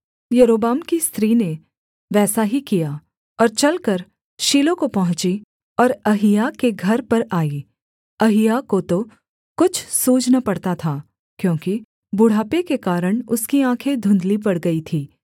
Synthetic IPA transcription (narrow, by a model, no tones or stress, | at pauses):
jɐɾoːbaːmkist̪ɾiːne | ʋɛːsaɦikija | ɔːɾt͡ʃɐlkɐɾ | ʃiːlõkopɐɦʊ̃t͡ʃi | ɔːɾɐɦɪjakeɡʱɐɾpɐɾaːi | ɐɦɪjakot̪o | kʊt͡ʃʰsuːd͡ʒnapɐɽt̪at̪ʰaː | kjõːki | bʊɽ̤aːpekekaːɾəɽ̃ʊskiãːkʰed̪ʱʊ̃nd̪lipɐɽɡɐit̪ʰiː